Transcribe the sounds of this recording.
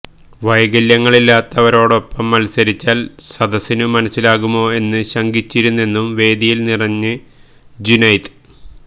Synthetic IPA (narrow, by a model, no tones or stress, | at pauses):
ʋɐjɡɐljɐŋːɐɭilːaːt̪ːɐʋɐɾo̞ːɽo̞pːɐmːɐlsɐɾit͡ɕːaːlsɐd̪ɐsinɨmɐnɐsːilaːɣumo̞ːe̞nːɨɕɐŋɡit͡ɕːiɾunːe̞nːumʋe̞ːd̪ijilnirɐɲːɨ | d͡ʑinɐjt̪